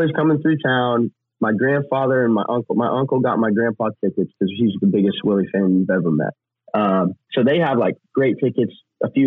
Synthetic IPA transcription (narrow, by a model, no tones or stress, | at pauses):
iz̥kʰʌ̃mɪ̃ŋθɹʉtʰãʊ̃n | maɪɡɹæ̃nd̥fɑðə˞ɨ̃nmaɪʔʌ̃ŋkl̩ˠmaɪʔʌ̃ŋkl̩ˠɡɑ̰t̚maɪɡɹæ̃npʰɑk̚tʰɪkɨtskʰʌz̥ʃizðəbɪɡɨstwɪlˠifɛ̃nvɛvə̃mɛ̰t̚ | ʌ̃msoʊðeɪəvlaɪk̚ɡ̥ɹeɪtʰɪkɨts | ʔəfjʉ